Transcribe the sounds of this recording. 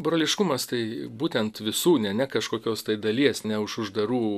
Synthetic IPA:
bɾoːlʲɪʃkʊmɐst̪ɐɪbuːt̪ʲɛnt̪ʋʲɪsuːnʲɛnʲɛkɐʃkoːkʲoːst̪ɐɪd̪ɐlʲiɛsnʲɛʊʃʊʒd̪ɐɾuː

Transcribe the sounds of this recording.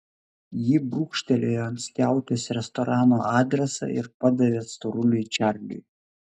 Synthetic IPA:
jibɾuːkʃʲt̪ʲɛlʲeːjoɐnt̪ʲsʲk̪ʲæˑʊt̪ʲesɾʲɛst̪ɔɾʔɑːnoːʔɑːd̪ʲɾʲɛsɐ̰ɪ̰ɾpɐd̪ɐʋʲeːst̪ʊɾʊlʲʊt͡ʃʲæɾʲlʲʊ̰j

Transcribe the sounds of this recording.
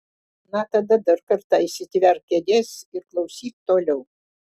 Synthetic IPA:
nɑt̪ɐd̪ɐd̪ɐɾkɐɾt̪ɑisʲɪt̪ʲʋʲɛrkʲed̪ʲeːsɪɾklˠɐʊsʲiːt̪̚t̪oːlʲɛʊ

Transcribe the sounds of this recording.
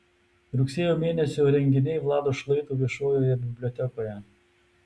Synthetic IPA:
ɾʊksʲeːjoːmʲeːnʲɛsʲoːɾʲɛŋʲɡʲɪnʲɛɪʋlˠɑːd̪oːʃlˠɐɪt̪oːʋʲiɛʃoːjoːjɛbʲɪbʲlʲɔt̪ʲɛkoːjɛ

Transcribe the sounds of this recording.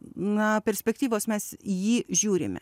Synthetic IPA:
nɐpʲɛɾʲsʲpʲɛk̚t̪ʲiːʋoːsmʲɛsjiːʒʲuːɾʲɪ̰mʲɛ̰

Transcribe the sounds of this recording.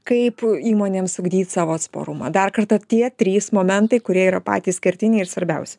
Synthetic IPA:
kɐɪpiːmoːnʲeːmsʊɡd̪ʲiːt̪ʲsɑːʋoːɐt̪spo̰ːɾʊmɐ̰d̪ɐrkɐrt̪ɐt̪ʲiɛt̪ʲɾʲiːsmoːmʲɛnt̪ɐɪkʊɾʲiɛiːɾɐpɑ̰ːt̪ʲiːssʲkʲɛɾʲt̪ʲɪnʲɪɪɾsʋɐɾʲbʲɛʊsʲɛ

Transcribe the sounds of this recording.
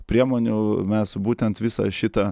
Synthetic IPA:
pʲɾʲiɛmoːnʲʊmʲɛsbuːt̪ʲɛnt̪ʋʲɪsɐ̰ʃʲɪt̪ɐ

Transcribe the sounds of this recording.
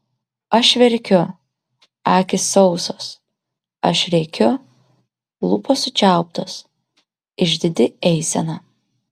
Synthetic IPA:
ɐʃʋʲɛɾʲkʲʊ | æːkʲɪsɒʊsoːs | ɐ̰ʃɾʲɛɪkʲʊ | lˠupoːsʊt͡ʃʲæˑʊp̚t̪os | ɪʒʲd̪ʲɪd̪ʲɪɛɪsʲɛnɐ

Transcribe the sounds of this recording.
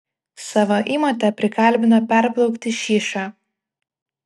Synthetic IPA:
sɑːʋoːʔiːmoːt̪ʲɛpʲɾʲɪkɐˑlʲˑbʲɪnɐpʲɛɾblˠɒʊkt̪ʲɪʃʲiːʃɑː

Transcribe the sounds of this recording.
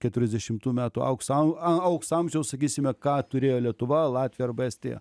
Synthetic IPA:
kʲɛt̪ʊɾʲɛzd̪ʲɛʃʲɪmt̪uːmʲæːt̪uɐ̰ʊksɐɐʊksɐmʲʒʲɛʊsɐkʲiːsʲɪmʲɛkɑːt̪ʊɾʲeːjoːlʲiɛt̪ʊʋɐlˠɑːt̪ʲʋʲɪjɛɐrbɛsʲt̪ʲḛjɛ̰

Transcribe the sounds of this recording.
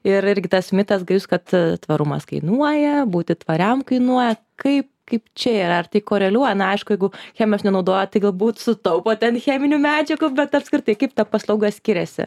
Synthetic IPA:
ɪɾɪrʲɡʲɪt̪ɐsmʲɪt̪ɐsɡɐɪʊskɐt̪t̪ʋɐɾʊmɐ̰skɐɪnuɔjɛbuːt̪ʲɪt̪ʋɐɾʲɛmkɐɪnuɔjɛ | kɐɪp̚kɐɪpt͡ʃʲɛiːɾɐɐrt̪ɐɪkoːɾʲɛlʲuɔjɛnɐɐɪʃkʊjɛɪɡʊxʲæːmʲosnʲɛnɐʊd̪oːjot̪ɐɪɡɐlˠbuːt̪sʊt̪ɐʊpoːt̪ʲɛnxʲæːmʲɪnʲumʲæːd͡ʒʲɛɡʊbʲɛt̪ɐpskɾʲɪt̪ɐɪkɐɪp̚t̪ɐpɐslˠɐʊɡɐsʲkʲɪɾʲɛsʲɪ̰

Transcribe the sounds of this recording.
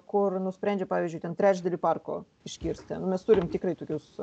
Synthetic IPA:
kʊrnʊsʲpʲɾʲɛnʲd͡ʒʲɛpɑːʋʲiːzʲd͡ʒʲʊɪt̪ʲɛnt̪ʲɾʲæːt͡ʃʲd̪ɐlʲipɑrko̰ː | ɪʃʲkʲiːɾʲsʲt̪ʲɛnʊmʲɛst̪uɾʲɪmt̪ʲɪkɾɐɪt̪oːkʲʊs

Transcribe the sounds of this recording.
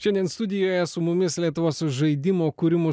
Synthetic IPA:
ʃʲɛnʲd̪ʲiɛnst̪ʊd̪ʲɪjoːjɛsʊmʊmʲɪslʲiɛt̪ʊʋoːsʊʒɐɪd̪ʲɪmoːkʊɾʲɪmʊ

